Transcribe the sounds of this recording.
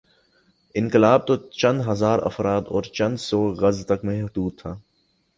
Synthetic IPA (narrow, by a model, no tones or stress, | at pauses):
ɪ̃nkɪlaːb̚t̪ot͡ʃɐ̃nd̪ɦɐzaːɾɐ̰fɾaːt̪ɔːɾt͡ʃɐ̃nd̪sɔːɣɐzt̪ɐkmɛ̃ɦd̪uːd̪̚t̪ʰːaː